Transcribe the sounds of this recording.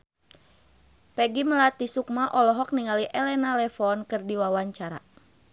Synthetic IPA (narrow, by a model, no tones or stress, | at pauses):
pɛɡiməlat̪isuk̚maʔɔlɔɦɔk̚niŋaliʔɛlɛnalɛfɔnkɨrdiwawaɲt͡ʃaɾa̰